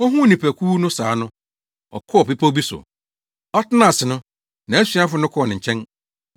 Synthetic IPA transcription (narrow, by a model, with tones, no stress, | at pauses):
ɔ˦ɦũ˦˨nĩ˨pʰæ˨kʰuː˦nʊ̃˦saː˨˦nʊ̃˦ | ɔ̰˨kʰɔ˦ɔ˨pe˦pʰo˦bi˦sʊ̰˨ | ɔ˦tɪ˦nã˦˨sɪ˨nʊ̃˦ | nã˨æ˦sɥa˦fʊ˦nʊ̃˦kʰɔ˦ɔ˨nɪ̃˨ɲ̩˨t͡ɕʰɛ̃˦n